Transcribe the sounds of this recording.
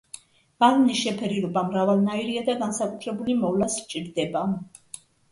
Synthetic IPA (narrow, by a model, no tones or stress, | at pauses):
v̥alnisʃɛpʰɛɾilɔbamɾavalˠnaiɾiad̪aɡansakʼut̪ʰɾɛbulimɔvlast͡ʃʼiɾd̪ɛba